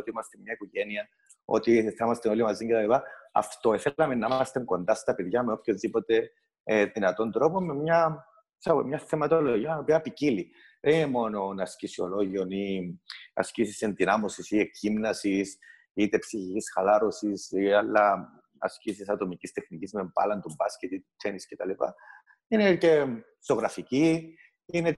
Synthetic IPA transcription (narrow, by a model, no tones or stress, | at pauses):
ot̪iimɐst̪emɲɐikoʝe̞niɐ | o̰t̪iθemɐst̪eo̞limɐziɲɟet̪ɐlipaɐ̰ft̪oeθelɐme̞nːɐimɐst̪eŋɡo̞nd̪ɐst̪ɐpeðʝɐme̞o̞pçozðipo̞t̪e̞ | eðinɐt̪o̞nd̪ɾo̞pomːemɲɐ | sɐo̰mɲɐθemɐt̪oloʝiɐopiɐpicili | ðeninemo̞no̞nɐscisio̞lo̞ʝio̞ni | ɐ̰scisise̞nd̪inɐmosisiekimnɐsis | it̪e̞psiçicisxɐlaɾosisialːɐ | ɐ̰scisisɐt̪o̞micist̪e̞xnicizmempɐ̰lɐnt̪umbɐscet̪it̪ut͡ʃ̪ːeniscet̪ɐlipɐ̰ | inece̞ | so̞ɣɾɐfici | ine